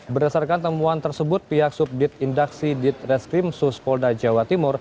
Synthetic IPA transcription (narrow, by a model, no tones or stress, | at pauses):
bərdasarkant̪əmuant̪ərsəbʊt̪̚piɦak̚sup̚dɪt̪̚indaksidɪt̪̚rɛskɾimsuspɔldad͡ʒawat̪imʊr